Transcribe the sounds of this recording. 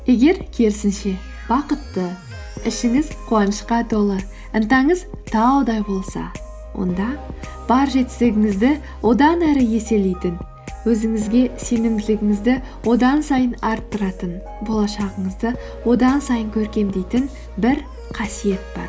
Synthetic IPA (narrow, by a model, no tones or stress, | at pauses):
e̞ɡʲe̞ɾkʲʰe̞lsɪnʃe̞ | b̥ɑqət̪ːə | ɪʃɪŋɪzqʰuɑnəʃqɑt̪ʰo̞lˠə | ənt̪ɑɴəz | t̪ʰɑwd̪ɑjbo̞lˠsɑ̰ | wʔo̞̰nd̪ɑ | b̥ɑɾʒe̞t̪st̪ɪɡʲɪŋɪzd̪ɪ | wʔo̞d̪ɑnæɾɪje̞se̞le̞jt̪ɪn | wɵzɪŋɪzɡʲe̞se̞nɪmd̪ɪlɪɡʲɪŋɪzd̪ɪ | wo̞d̪ɑnsɑjənɑɾt̪ːəɾɑt̪ən | bo̞lˠɑʃɑʁəɴəzd̪ə | wo̞d̪ɑnsɑjəŋkʲʰɵɾkʲe̞md̪ejt̪ɪn | bɪɾ | qʰɑsije̞t̪̚b̥ɑ̰ɾ